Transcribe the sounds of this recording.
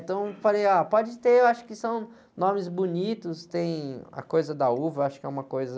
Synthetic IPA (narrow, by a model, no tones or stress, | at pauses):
t̪ɐ̃w̃falejapɔd͡ʒɪt̪eewaʃʊ̥kɪsɐ̃w̃ | nõmɪzbunit̪ʊst̪ẽj̃ɐ̰kojzɐd̪ɐuvɐwaʃʊ̥kɪɛũmɐkojzɐ